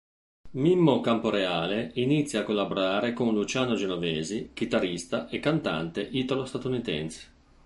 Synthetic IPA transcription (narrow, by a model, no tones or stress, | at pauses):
mimːokampoɾeaːleinit̪sːjaːkːolːaboɾaːɾekonlut͡ʃaːnod͡ʒenovɛːzik̟it̪aɾist̪aʔekːant̪a̰nt̪eʔiːt̪alost̪at̪unit̪ɛ̰nse̥